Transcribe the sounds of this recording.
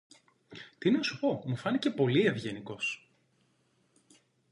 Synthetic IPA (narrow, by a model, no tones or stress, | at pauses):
t̪inɐsu̥po̞mufɐnice̞po̞lie̞vʝe̞niko̞s